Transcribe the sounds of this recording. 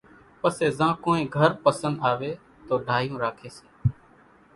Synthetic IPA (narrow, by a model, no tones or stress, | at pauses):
pəseːzãːkoːĩːɡʱəɾpəsənd̪aːʋeː | t̪oːɖʱaːɦjũːɾaːkʰeːseː